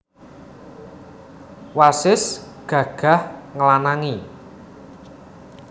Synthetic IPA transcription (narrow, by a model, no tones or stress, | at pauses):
wasɪs | ɡ̥ä̤ɡ̥a̤hŋəlanaŋi